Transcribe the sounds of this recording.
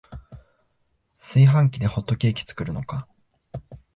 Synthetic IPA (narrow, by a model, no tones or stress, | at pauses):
sɨiɦãŋkʲid̪e̞ho̞t̪ːo̞kʲe̞ːkʲi̥t͡sɨ̥kɯ̟ɾɯ̟no̞ka